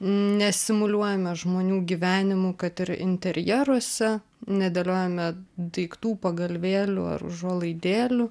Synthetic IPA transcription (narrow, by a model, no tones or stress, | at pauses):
nʲɛsʲɪmʊlʲuɔjɛmʲɛʒmoːnʲuːɡʲiʋʲæːnʲɪmʊkɐt̪ɪɾɪ̰nʲt̪ʲɛɾʲjɛɾuɔsʲɛ | nʲɛd̪ʲelʲoːjɛmʲɛd̪ɐɪkt̪uːpɐɡɐlʲʋʲeːlʲʊ̰ɐ̰rʒoɔlˠɐɪd̪ʲeːlʲʊ